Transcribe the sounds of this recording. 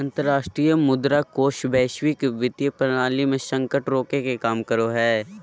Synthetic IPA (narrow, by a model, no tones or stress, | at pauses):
ɐ̃nt̪əɾːaːʃʈɾiːjəmʊd̪ɾakoːʃbɛːʃwɪkʋɪt̪jəpənaːlimẽsə̃ŋkəʈɾoːkekekaːmkəɾoɦɛː